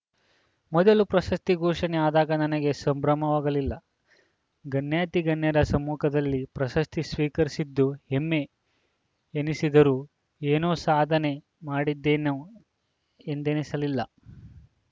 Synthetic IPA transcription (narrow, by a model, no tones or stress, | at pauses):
mɔd̪ɐlupɾɐʃɐst̪iɡɔːʂɐneaːd̪aːɡɐnɐnɐɡe̞sɐmbɾɐmɐʋaːɡɐlilːɐ | ɡɐnjaːt̪iɡɐnjɐɾɐsɐmːuːkʰɐd̪ɐlːipɾɐʃɐst̪isʋiːkɐɾisid̪ːuhemːe̞ | nisid̪ɐɾuː | eːnoːsaːd̪ʱɐne̞ | maːɽid̪ːeːno | end̪enisɐlilːɐ